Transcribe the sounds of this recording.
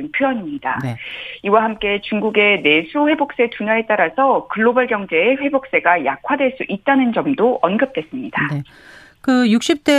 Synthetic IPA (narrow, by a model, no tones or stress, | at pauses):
ɯnpʰjoʌɲimɲida̰iwaɦamk͈e̞t͡ɕuŋɡuɡe̞ne̞sʰuɸe̞bok̚s͈e̞tuɲae̞t͈aɾasʰʌkɯɭːobʌɭɡjʌŋd͡ʑe̞ːɸwe̞bok̚s͈e̞ɡajakʰwadwe̞ɭs͈uʔit̚t͈anɯnd͡ʑʌmdoʔʌnɡɯp̚t͈e̞s͈ɯmɲid̥ae | kɯjuk̚ɕ͈ip̚t͈e